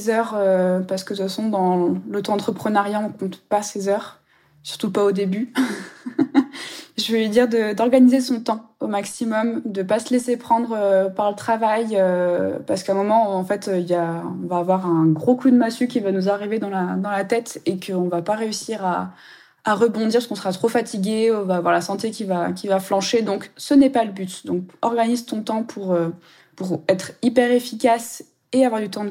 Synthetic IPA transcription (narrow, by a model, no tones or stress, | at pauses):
zœʁøpaʁsə̥kəsəsɔ̃d̪ɑ̃lət̪ɑ̃ːt̪χəpχənaʁjaɔ̃kɔ̃t̪pasezœʁ | sy̥ʁt̪upaod̪eby | ʒəvəid̪iʁd̪əd̪ɔʁɡanizesɔ̃t̪ɑ̃omaksimɔmd̪əpasəlesepχɑ̃d̪ʁøpaʁlət̪χavajøpaʁsə̥kãmɔmɑ̃ɑ̃fɛt̪ʰøiljaɔ̃vaːvwaʁɛ̃ɡʁokud̪masykʲivanuzaʁived̪ɑ̃lad̪ɑ̃lat̪ɛt̪ekʰəɔ̃vapaʁeysiʁaː | ʁəbɔ̃d̪iʁpskɔ̃səʁat̪χofat̪ʰiɡʲeɔ̃vaːvwaʁlasɑ̃t̪ekʲivakʲivaflɑ̃ʃed̪ɔ̃ksənɛpaləbyt̪d̪ɔ̃kɔʁɡanizt̪ɔ̃t̪ɑ̃pʰuʁø | puʁɛt̪χipɛʁefikas | eavwaʁd̪yt̪ɑ̃